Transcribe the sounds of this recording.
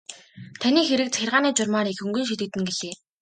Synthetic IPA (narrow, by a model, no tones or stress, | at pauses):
t̪ʰaniːxeɾɘ̆k̚t͡sæxʲɪrʁaːniːt͡ɕʊrmaːɾixɵŋɡɵ̆nʃ̬it̪ɘ̆t̪ɘ̆ŋɡeɮeː